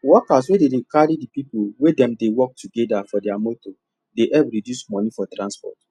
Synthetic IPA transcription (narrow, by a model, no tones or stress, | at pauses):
wɔkas̬wededekaɾidipipulwedɛ̃mdewɔk̚tuɡɛdafɔdɛamoto | deʔɛpɾidjusmɔ̃nifɔtɾãnspɔ̰t